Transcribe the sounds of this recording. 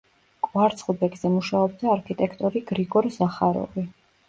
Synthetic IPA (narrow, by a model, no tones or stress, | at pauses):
kʼwaɾt̪sʰχlˠbɛɡz̥ɛmuʃaɔbd̪aːɾkʰit̪ʼɛkʰt̪ʼɔɾiɡ̥ɾiɡɔɾzaχaɾɔ̰vi